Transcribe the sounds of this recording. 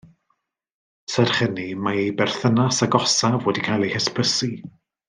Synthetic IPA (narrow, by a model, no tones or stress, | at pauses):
sɛrχənimaejbɛr̥θənasaɡɔsavwɛdikʰajlˠejhɛspʰəsi